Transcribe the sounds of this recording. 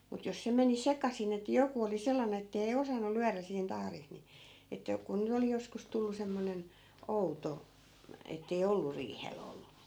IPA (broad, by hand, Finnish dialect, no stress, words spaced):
mut jos se meni sekɑsin etːæ̆ joku oli selːɑne etːei osɑnːu lyæræ siːn tɑhris ni etːæ ku nyt oli joskus tulːu semːonen outo etːei olːu riːhel olːu